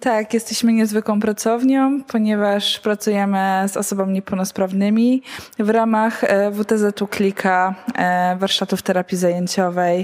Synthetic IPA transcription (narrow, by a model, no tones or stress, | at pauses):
t̪akjɛst̪ɛɕmɘɲɛzvɘkwɔ̃w̃pɾat̪sɔvɲɔ̃w̃pʰɔɲɛvaʂpɾat̪sujɛmɘzɔ̰sɔbamʲiɲɛpɛwnɔspɾavnɘmʲivɾamaxvut̪ɛzɛt̪uklʲikʰa | vaɾʂt̪at̪uft̪ɛɾapʲjizajeɲt͡ɕɔvɛj